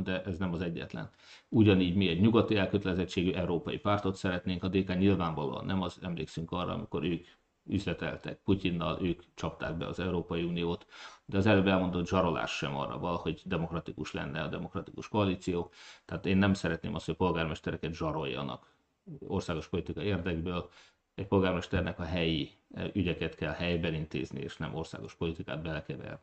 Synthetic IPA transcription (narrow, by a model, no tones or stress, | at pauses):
d̪ɛʔɛznɛmɒzɛɟːɛ̰t̪lɛ̰n | uɟɒniːɟmiɛɟɲuɡɒt̪ːiɛlkøt̪ɛlɛzɛt͡ʃːeːɡyʔɛuɾoːpɒjḭpaːrt̪o̞t̪sɛɾɛt̪neːŋkɒd̪eːkaːɲilvaːɱvɒlo̰ːɒ̰nːʔɛmɒzɛmlḛːksyŋkɒrːɒ̰ɒ̰miko̞ɾøːk | yzlɛt̪ɛ̰lt̪ɛ̰k̚pucinːɒlʔøːkt͡ʃɒp̚t̪a̰ːɡ̚bɛ̰ɒzɛuɾoːpɒjiunijoːt̪d̪ɛɒzɛløːbɛlmo̞nd̪ot̪ʒɒɾo̞lʔa̰ːʃːɛmɒ̰rːɒ̰vɒlɒho̞ɟd̪ɛmo̞krɒt̪ikuʃlɛ̰nːɛɒd̪ɛmo̞krɒt̪ikuʃkoɒliːt̪sijoːt̪ɛaːt̪eːnːɛmsɛɾɛt̪nḛːmɒst̪hocpo̞lɡaːrmɛʃt̪ɛɾɛkɛt̪ʒɒɾo̞jːɒ̰nɒ̰k | o̞rsaːɡo̞ʃpo̞lit̪ikɒieːrd̪ɛɡbøːl | ɛc̚po̞lɡaːrmɛʃt̪ɛrnʔɛkɒɦɛjiyɟɛkɛt̪kɛlhɛjbɛnint̪ḛːznḭḛːʃnɛmo̞rsa̰ːɡo̞ʃpo̞lit̪ika̰ːd̪̚bɛlɛkɛvɛ̰rn